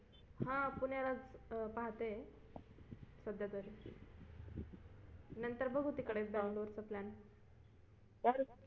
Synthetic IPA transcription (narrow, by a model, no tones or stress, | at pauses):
hãpuɳjalad͡zpaɦt̪e | səd̪jat̪əɾ | nənt̪əɾbʱəɡʱut̪ikəɽebãŋɡloɾt͡səplan | t̪jaɾu